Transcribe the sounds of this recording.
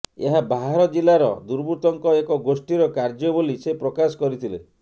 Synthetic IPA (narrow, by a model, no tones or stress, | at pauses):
ḛɦabaɦaɾɔd͡ʒilaɾɔ̰d̪uɾbut̪ɔŋkɔekɔɡosʈiɾɔkaɾd͡ʒɔbolisepɾɔkasɔ̥kɔɾit̪ʰile